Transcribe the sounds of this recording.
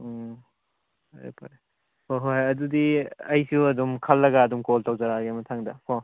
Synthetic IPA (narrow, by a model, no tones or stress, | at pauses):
ḛpa | pʰoɦojɐdudiɐjsiwɐdumkʰɐlːɐɡaːdumkoltawzɐɾaɡemɐtʰaŋdɐpʰo